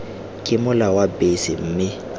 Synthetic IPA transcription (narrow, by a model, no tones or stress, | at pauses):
kʼɪmʊlawabesɪm̩ːmɪ